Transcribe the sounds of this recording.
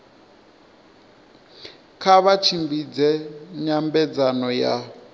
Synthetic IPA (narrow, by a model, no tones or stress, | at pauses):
kʰaβat͡ʃʰimbid͡zɛɲambɛd͡zanɔja̰